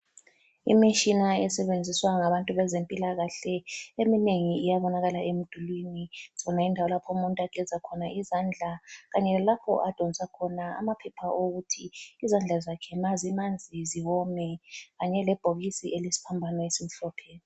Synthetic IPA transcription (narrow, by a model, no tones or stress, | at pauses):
ḭmit͡ʃʼinaɛsɛβend͡zʱiswaŋaβantʼuβɛzempʼilaɣaɬɛemineŋiːjaβɔnaɣalaemud̥ʱulwiniz̥ɔnaindʱawɔlapʰɔumuntʼaɡ̥ʱɛzʱakʰɔnaʔizand͡ɮʱaɣaɲɛlalapʰɔ̰ʔad̥ʱɔnsakʰɔnaa̰mapʰɛpʰaʔoɣutʰiːzand͡ɮʱazakʰɛmazimand͡zʱiziwɔmɛɣaɲɛlɛb̥ʱoɣisiʔelisi̥pʰambʱanaesim̩ɬɔpʰɛni